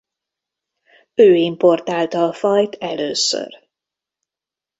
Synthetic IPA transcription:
øːimpo̞rt̪aːlt̪ɒːfɒjt̪ʰɛløːsø̰r

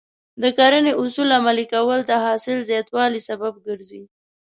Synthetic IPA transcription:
d̪əkaɾəneʔʊsulamalikawəlt̪aɦɑsɪlzjɑt̪wɑlisabab̚ɡəɾzi

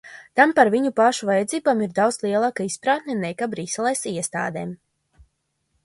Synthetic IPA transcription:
t̪ampaɾviɲupaʃuvajɛd̪ziːbaːmiɾd̪awd̪slˠiɛlˠaːkaispɾaːt̪nʲɛnɛjkabɾiːsɛlˠɛjsiɛst̪a̰ːd̪ɛːm

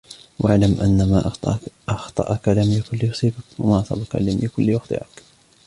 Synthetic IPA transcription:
wʔaʕlamʔa̰nːamaʔt̪ˤɑ̰ʔɑxt̪ˤɑ̰ʔɑkalamjakʊlːijʊsˤiːbakwa̰maːʔɑsˤɑ̰baka̰lamjɪkʊlːjʊxt̪ˤɨ̰ʕɪk

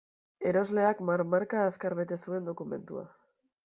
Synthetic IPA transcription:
e̞ɾo̞zle̞akmaɾmaɾkaːskaɾβe̞t̪e̞sue̞nd̪o̞kume̞nt̪ṵa̰

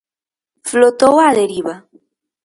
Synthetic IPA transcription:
flot̪owaðeɾiβa

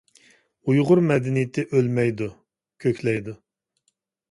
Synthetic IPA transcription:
ujʁʊɾmɛd̪ɪnijt̪ʰɪʔølmɛjd̪u | kʲʰøkʲlɛjd̪u

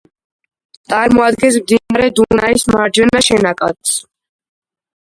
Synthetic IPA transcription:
t̪ʼaɾmɔad̪ɡɛnsmd̪inaɾɛd̪unaismaɾd͡ʒɛnaʃɛnakʼa̰t̪s

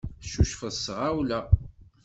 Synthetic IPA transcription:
θʃuʃfəðsʁawlæ

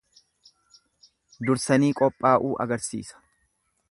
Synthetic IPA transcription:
d̪ʊɾsɐniːkʼɔpʼːaːʔuːʔɐ̰ɡɐɾsḭːsɐ̥

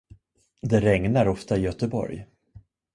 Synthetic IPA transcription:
d̪ɛɾɛŋnaɾɔft̪aɪjœt̪əbɔ̰ɾj

